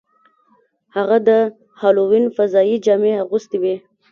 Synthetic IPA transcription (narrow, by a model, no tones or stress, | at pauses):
haɣad̪ə | hɑlowinfazɑjid͡ʒɑmeaɣust̪iwi